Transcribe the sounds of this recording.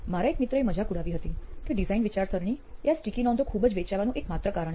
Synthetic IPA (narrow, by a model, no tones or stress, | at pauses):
maɾaekmit̪ɾəeməd͡ʒakuɽaʋiɦət̪ikĩɖizainʋit͡ʃaɾsəɾɳ̃ijasʈikinɔ̃nd̪okʰubəd͡ʒʋet͡ʃaʋanũʔekmat̪ɾəkaɾəɳ